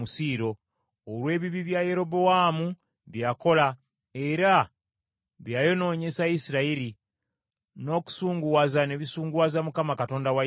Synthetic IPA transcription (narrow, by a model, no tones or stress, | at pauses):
usiːɾo̞ː | lwe̞ːβiβiβjaje̞ɾo̞bowaːmu | βjaːko̞la | e̞ɾa | βjaːjo̞no̞ːɲe̞saisiɾaiɾi | no̞ku̥suːŋɡuwazane̞βisuːŋɡuwazamukamakato̞ːndawa